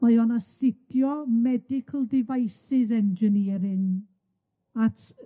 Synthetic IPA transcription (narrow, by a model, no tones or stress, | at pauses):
mɔɨɔnasɪtʰjɔmɛdɪkʰəlˠdɪvajsɪs̬ɛnd͡ʒəniːɾɪn | atʰ